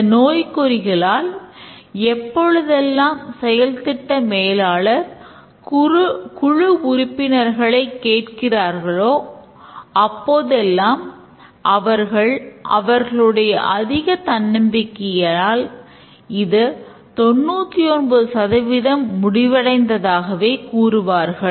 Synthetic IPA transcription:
noːjkɔɾɪɣɐɭaːl | ɛpːɔɻɯðɛlːaːmsɛjɐlt̪ɪʈːɐmeːlaːɭɐɾ | kʊɻɯʊɾɪpːɪnɐɾɣɐɭɐɪkːeːʈkɪraːɾɣɐɭoː | ɐpːoːðɛlːaːm | ʔɐʋɐɾɣɐɭʔɐ̰ʋɐɾɣɐɭɯɽɐjɐʔɐðɪɣɐt̪ɐnːɪmbɪkːɪjɐaːl | ɪðɯ | t̪ɔnːuːt̪ːiɔnbɐɯsɐðɐʋɪðɐmːʊɽɪʋɐɽɐɪnd̪ɐðaːɣɐʋeːkuːɾɯʋaːɾɣɐɭ

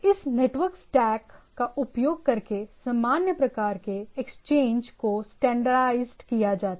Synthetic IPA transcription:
ɪsneːʈʋəɾksʈɛːkːaʊpjoːɡ̚kɐɾkesamaːnjəpɾɐkaːɾkeekst͡ʃẽːɲd͡ʒkosʈɛ̃ːɳɖəɾaɪzɖkijad͡ʒaːt̪a

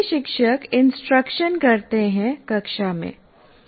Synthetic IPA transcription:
ʃɪkʃəkɪ̃nsʈɾəkʃənkɐɾt̪eɦɛ̃kɐkʃamḛ̃ː

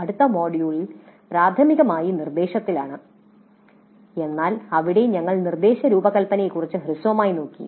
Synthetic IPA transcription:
ɐɽut̪ːɐmo̞ːɽijuɭil | pɾaːd̪ʱɐmiɣɐmaːjinird̪e̞ːɕɐt̪ːilaːɳɨ | e̞nːaːlɐʋiɽe̞ɲɐŋːɐɭnird̪e̞ːɕɐɾuːbɐkɐlpɐnejkːurit͡ɕːɨɦrɨsʋɐmaːjino̞ːkːḭ

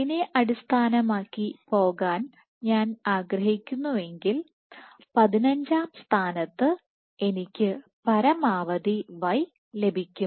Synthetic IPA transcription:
ineʔɐɽist̪ʰaːnɐmaːkːipo̞ːɣaːn | ɲaːnaːɡɾɐɦikʲːunːue̞ŋɡil | pɐðinɐɲd͡ʑaːmst̪ʰaːnɐt̪ːɨ | e̞nikʲːɨpɐɾɐmaːʋɐðiʋɐj | le̞bʱikʲːum

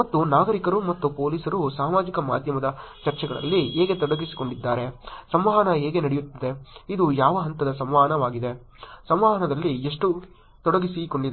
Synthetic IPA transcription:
mɐt̪ːunaːɡɐɾikɐɾumɐt̪ːupoːliːsɐɾusaːmaːd͡ʒikɐma̰ːd̪ʱjɐmɐd̪ɐt͡ʃɐɾt͡ʃɛɡɐɭɐ̰lːieːɡe̞t̪ɔɽɐɡisi̥ko̞ɳɖid̪ːaːɾe̞sɐmʋaːɦɐnɐeːɡe̞nɐɽejut̪ːɐd̪e̞id̪ujaːʋɐɦɐnt̪ɐd̪ɐsɐmʋaːɦɐnɐʋaːɡid̪e̞ | sɐmʋaːɦɐnɐd̪ɐlːieʂʈu | t̪ɔɽɐɡisiko̞ɳɖid̪

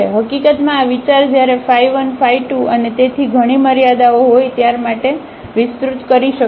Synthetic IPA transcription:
eɦəkikət̪mãːʋit͡ʃaɾd͡ʒjaɾefaiʋənfaiʈuʔənet̪et̪ʰiɡʱəɽ̃iməɾjad̪aoɦojt̪jaɾmaʈe | ʋɪst̪ɾut̪kəɾiʃə

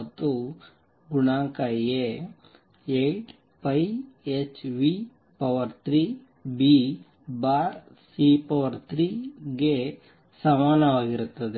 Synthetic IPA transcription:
t̪ːu | ɡuɳaːŋkɐe | eʈ | pɐjet͡ʃʋi | pɐʋɐɾt̪ɾi | bi | baːɾ | sipɐʋɐɾt̪ɾiɡe | sɐmaːnɐʋaːɡiɾut̪ːɐd̪e

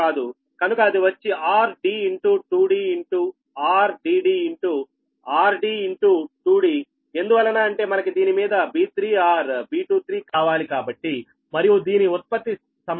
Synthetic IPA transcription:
aːd̪u | kɐnukɐɐd̪iʋɐt͡ʃːiʔaːɾɖiːiɳʈuːʈuːɽiːiɳʈuː | aːɾɖiːɖiːiɳʈuː | aːɾɖiːiɳʈuʈuːɽiː | e̞nd̪uʋɐlːɐnaːɐɳʈe̞ːmɐnɐkid̪iːnimiːd̪ɐbiːt̪ɾiːaːɾbiːʈuːt̪ʰɾiːkaːʋaːlikaːbɐʈːi | mɐɾijud̪iːniut̪̚pɐt̪ːi | sɐm

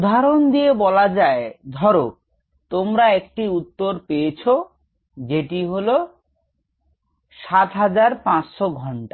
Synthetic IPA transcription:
ud̪ʱaɾond̪iebɔlad͡ʑaed̪ʱɔɾo | t̪omɾaek̚ʈiut̪ːoɾpejet͡ɕʰo | d͡ʑeʈiɦolo | ʃat̪ɦad͡ʑaɾpãt͡ɕʃoɡʱɔɳʈa

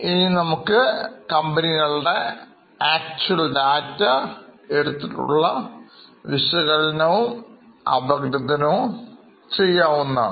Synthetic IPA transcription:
ininɐmukːɨkɐmbɐniɣɐɭɖe̞ | aːk̚t͡ɕuɐlɖaːtːɐeɽut̪ːiʈːṵɭːɐ | ʋiɕɐɣɐɭɐnɐʋumɐ̰bɐɡɾɐd̪ʱɐnɐʋum | t͡ɕejːaːʋunːɐ

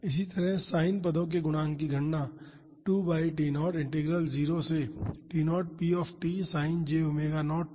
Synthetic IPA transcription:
ɪsit̪ɐɾɛɦsaːɪnpɐd̪õk̬eɡʊnãːŋkiɡʱɐɳna | ʈuːbaːɪʈ̬iːnɔːɾɪ̃ɳʈeɡɾəlziːɾoseʈiːnɔːʈ̚piːɔːfʈiːsaːɪnd͡ʒeːʊmeːɡanɔːʈ̚

